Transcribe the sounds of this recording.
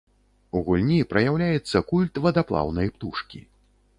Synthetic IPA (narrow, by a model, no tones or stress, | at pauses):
uɣulʲnʲipɾɐjawlʲajɛt̪sːɐkulʲt̪vɐd̪aplˠa̰wnɐjpt̪uʂkʲḭ